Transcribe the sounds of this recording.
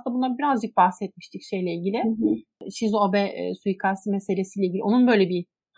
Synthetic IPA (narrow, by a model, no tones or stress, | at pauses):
t̪ːabunːabiɾazd͡ʒɯk̚bahsɛt̪̚miʃt̪ʰicʃejlʲɛilʲɟʲilʲɪʃizobɛʔsujikʰasimese̞lʲesiːlʲɛiɟilʲionunbø̞jlʲebi